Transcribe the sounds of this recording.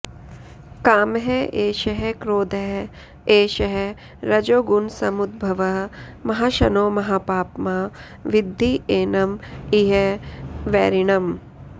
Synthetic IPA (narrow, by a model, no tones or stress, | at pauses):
kaːmɦeʔeːʃɐɦekɾoːd̪ɐɦ | eːʃɐɦe | ɾɐd͡ʒoːɡunsɐmud̪̚bʱɐʋɐɦ | mɐɦaʃɐnoːmɐɦaːpaːpmaː | ʋɪd̪ʱːieːnɐmiɦɐʋɛːɾiɳɐm